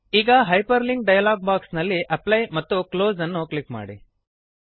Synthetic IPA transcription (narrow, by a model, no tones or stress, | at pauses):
iːɡaɦajpəɾliŋɡ̚ɖajlaːɡ̚baksnɐlːiʔɐplajmɐt̪ːukloːd͡zɐnːoklikma̰ɽḭ